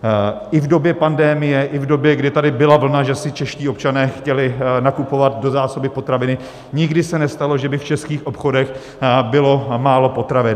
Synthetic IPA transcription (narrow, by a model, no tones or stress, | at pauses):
ʔɪvdo̞bjɛpandɛmɪjɛʔɪvdo̞bjɛɡdɪt̪adɪbɪlavl̩naʒɛsɪt͡ʃɛʃciːop̚t͡ʃanɛːxcɛlɪnakupo̞vat̪̚do̞zaːso̞bɪpo̞t̪ɾavɪnɪ | ɲɪɡdɪsɛnɛst̪alo̞ʒɛbɪft͡ʃɛskiːxʔo̞pxo̞dɛx | bɪlo̞maːlo̞po̞t̪ɾavɛ